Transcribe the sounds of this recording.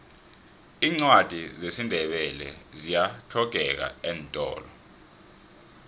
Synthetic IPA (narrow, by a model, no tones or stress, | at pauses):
iːŋ͡ǀwad̥ʱizesindʱɛɓɛlɛ̰zijatʰɔɡ̥̬ʱɛk̬a̰ɛːntʼɔ̰ːlɔ